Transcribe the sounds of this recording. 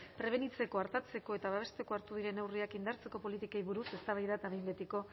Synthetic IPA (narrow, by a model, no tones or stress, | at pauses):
pɾe̞β̞e̞nit͡se̞ko̞aɾt̪at͡se̞ko̞e̞t̪aβ̞aβ̞e̞st̪e̞ko̞aɾt̪uðiɾe̞newriakind̪aɾt͡se̞ko̞po̞lit̪ikajβuɾuse̞st̪aβajðat̪aβejmbet̪iko̞